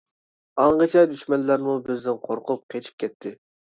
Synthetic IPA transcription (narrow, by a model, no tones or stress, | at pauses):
ɑɴʁət͡ʃʰɛd̪yʃmɛnlːæɾmubɪznɪnqʰoɾqʊp̚qʰet͡ʃʰi̥p̚kʲʰɛt̪ʰːɪ